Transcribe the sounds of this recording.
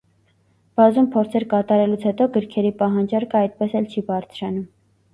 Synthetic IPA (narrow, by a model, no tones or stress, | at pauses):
b̥ɑzumpʰɔɾt͡sʰɛɾkɑt̪ɑɾɛlut͡sʰhɛt̪ɔɡəɾkʰɛɾipɑɦɑnd͡ʒɑɾkʰəɑjt̪̚pɛsɛlt͡ʃʰibɑɾt͡sʰɾɑnum